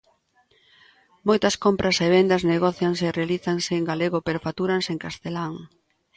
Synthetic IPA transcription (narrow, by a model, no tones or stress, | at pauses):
mojt̪ɐskompɾʔɐseβend̪ɐzneɣɔθjaŋserealiθaŋseːŋɡaleɣopeɾofat̪uɾanseŋkast̪elaŋ